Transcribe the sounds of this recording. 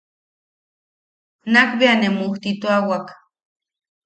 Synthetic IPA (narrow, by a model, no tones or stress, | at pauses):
nakbeanemuht̪it̪oawak